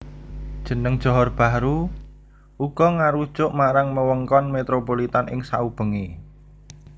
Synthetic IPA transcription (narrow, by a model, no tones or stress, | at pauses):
d̥ʒ̥ə̤nəŋd̥ʒ̥ɔ̤ɦɔrb̥a̤ɾu | ʔuɡ̥ɔ̤ŋaɾu̥t͡ʃʊʔmaɾaŋməwəŋkɔnmet̪ɾopolit̪anɪ̰ŋsaub̥ə̤ŋe